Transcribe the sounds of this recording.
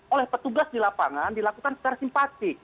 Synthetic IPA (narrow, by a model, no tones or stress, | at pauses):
olɛhpət̪uɡasdilapaŋandilakukansə̥t͡ʃaɾasimpat̪ɪk̚